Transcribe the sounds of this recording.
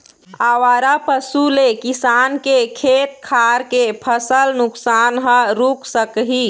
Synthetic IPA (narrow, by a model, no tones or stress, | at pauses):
awaɾapəsulekisankekʰet̪̚kʰaɾkepʰəsəlnʊksanɦəɾuksəkɦi